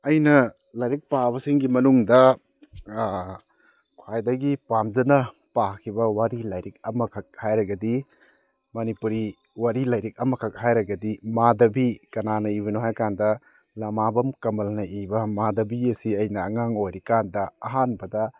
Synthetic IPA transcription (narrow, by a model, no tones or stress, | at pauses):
ɐjnɐ | lɐjɾik̚pabɐsiŋɡimɐnuŋdɐ | kʰwajdɐɡipamd͡ʒɐnɐ | pakʰibɐwaɾilɐjɾik̚ɐmɐkʰɐk̚hajɾɐɡɐdi | mɐnipuɾi | waɾilɐjɾik̚ɐmɐkʰɐk̚hajɾɐɡɐdimadɐbikɐnanɐiβɐnuɦajkandɐ | lɐmabɐmkɐmɐlnɐʔibɐmadɐbiɐsiɐjnɐːŋaŋojɾikandɐɐɦanbɐdɐ